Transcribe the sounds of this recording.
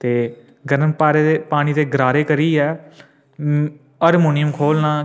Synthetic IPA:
t̪eː | ɡəɾəmpaːɾeːpaːɽ̃iːt̪eːɡɾaːɾeːkəɾiːɛː | əɾmuːnɪjəmkʰoːlnãː

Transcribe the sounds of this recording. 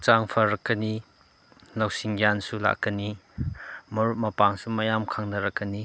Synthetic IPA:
t͡ʃaŋpʰɐɾɐkːɐni | lawsiŋjansula̰kːɐni | mɐɾut̚mɐpaŋsumɐjamkʰaŋnɐɾɐkːɐni

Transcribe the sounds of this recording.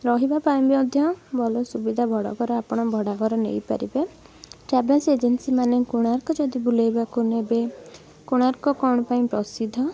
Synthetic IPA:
ɾɔɦibapaĩbɔd̪ʱjɔbʱɔlosubid̪ʱabʱɔɽɔ̰ɡɔɾɔapɔɽ̃ɔbʱɔɽaɡɔɾɔnḛjpa̰ɾibe | ʈɾɛbelsed͡ʒensimanekuɽ̃aɾkɔd͡ʒɔd̪ibulejbakunebe | kuɽ̃aɾkɔkɔɽ̃ɔpaĩpɾɔsid̪ʱɔ

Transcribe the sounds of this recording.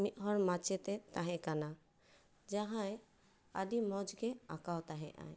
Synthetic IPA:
miʔ̪ɦɔɾmat͡ʃɛt̪ɛt̪aɦɛ̃kana | d͡ʒaɦãj | adimɔd͡ʒɡɛakawt̪aɦɛ̰̃ʔã̰j

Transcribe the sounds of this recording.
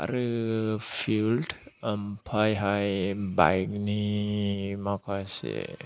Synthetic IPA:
a̰ɾɯpʰilʈəmpʰajɦajba̰jɡni | makʰasḛ

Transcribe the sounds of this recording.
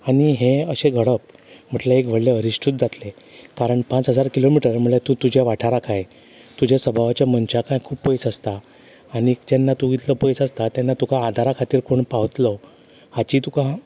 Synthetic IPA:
aɽiɦeəɕeɡʱəɽəp̚m̤əʈlaekʋ̤əɽleəɾiɕʈʰut̪̚d͡zat̪le | kaɾəɳpãt͡sɦəd͡zaɾkilomiʈəɾm̤əɭɭet̪ut̪ud͡ʑʱjaʋaʈʰaɾakʰaj | t̪ud͡ʑʱjasəbʱaʋat͡ɕjamənt͡ɕakʰajkʰuːppəjt͡səst̪aː | ɽ̃id͡ʑɛnːat̪uɡit̪ləpəjt͡səst̪at̪janːat̪ukaːd̪ʱaɾakʰat̪iːɾkoɳpaʋət̪lə | hat͡ɕiːt̪ukã

